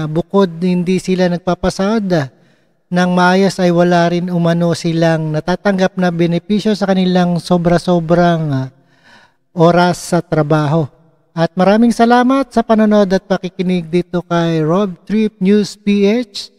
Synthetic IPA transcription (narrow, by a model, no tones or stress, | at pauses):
bʊko̞d̪̚hɪnd̪isɪlanɐɡ̚paːpɐsaʔod̪ | nɐŋmɐʔaːjo̞sɐjwɐlaɾɪnʊmɐno̞sɪlaŋnɐt̪aːt̪ɐŋɡap̚nɐbɛnɛpiʃjo̞sɐkɐnɪlaŋso̞bɾɐso̞ːbɾɐŋ | ʔo̞ːɾɐsːɐt̪ɾɐbaːɦo̞ | ʔɐt̪̚mɐɾaːmɪŋsɐlaːmɐt̪̚sɐpɐnono̞d̪ɐt̪̚pɐkikɪnɪɡ̚d̪iːt̪o̞kɐjɹob̚t̪ɾip̚njuspiʔet͡ʃ